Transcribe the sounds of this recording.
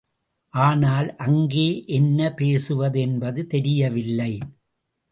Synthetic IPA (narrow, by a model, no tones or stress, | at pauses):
ʔaːnaːlʔɐŋɡeːʔɛnːɐpeːsɯʋɐðɛnbɐðɯt̪ɛɾɪjɐʋɪlːɐɪ